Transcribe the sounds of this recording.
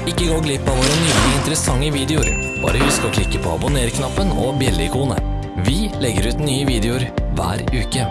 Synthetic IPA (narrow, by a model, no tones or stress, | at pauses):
ɪkːəɡoːɡlɪpːɑʋoːɾənʏk̪ɪɪnt̪əɾəsɑŋːəʋiːd̪ɛʊɾ | b̥ɑ̰ːɾəʋɪskɑʈʰɪkːəpʰɔ̰ːɑ̰bʊneːɾkʰnɑpːənɔ̰bjɛlːəɪkʰuːnə̰ | ʋɪlɛɡəɾʉːt̪nyːəʋiːd̪ɛʊɾʋæ̰ːɾʉːkə